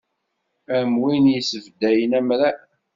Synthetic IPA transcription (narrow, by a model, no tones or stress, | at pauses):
æmwinjəsəvd̪ːæjənæmɾæ